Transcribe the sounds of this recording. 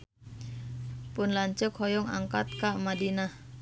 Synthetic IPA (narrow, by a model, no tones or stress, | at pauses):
pʊnlaɲt͡ʃəkhɔjɔŋa̰ŋkat̪̚kaʔmadinah